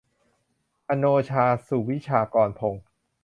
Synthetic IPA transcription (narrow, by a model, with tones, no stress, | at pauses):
ʔa˧noː˧t͡ɕʰaː˧su˨˩wi˦˥t͡ɕʰaː˧kɔː˧npʰo˧ŋ